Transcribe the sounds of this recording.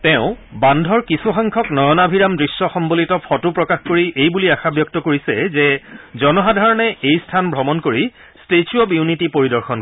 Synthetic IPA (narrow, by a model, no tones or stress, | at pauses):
tɛʊ̃bandʱɔɹkisuxaŋkʰɔknɔjɔnabʱiɹamdɹisːɔxɔmbolitɔpʰɔtupɹɔkaxkoɹiʔejbuliaxabjɔk̚tɔkoɹisɛzɛzɔnɔɦadʱaɹɔnɛejstʰanbʱɹɔmɔnkoɹi | stet͡ʃuɔbjunitipoɹidɔɹxʰɔn